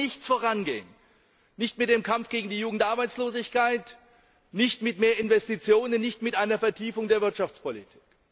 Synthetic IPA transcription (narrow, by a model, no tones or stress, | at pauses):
ɪçt͡sfoːʁanɡḛːən | nɪçtmɪt̚d̥eːmkʰamfɡ̥eːɡŋ̩diːjuːɡŋ̩tʔaɐbaɪt͡sloːzɪçkaɪt | nɪçtmɪtmeːɐɪnvɛstit͡sjoːnənːɪçtmɪtʔaɪnɐfɛɐtʰiːfʊŋdeːɐvɪɐtʃaft͡spolitʰi̥ːk